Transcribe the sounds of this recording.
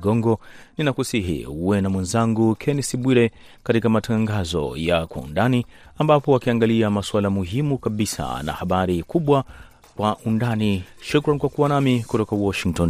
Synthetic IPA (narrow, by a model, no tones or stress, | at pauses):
ɡɔŋɡɔninakusiɦḭuwɛnamwɛnzaŋɡukʰɛnɛsiɓwiɾɛ | katikamatʰaŋɡazɔ̰jakwa̰ṵndaniambapɔakiaŋɡaliamaswalamuɦimukaɓisa̰na̰haɓaɾikuɓwa | kwaʔundaniʃukɾankwakuwanamikutɔkawɔʃiŋk̚tɔn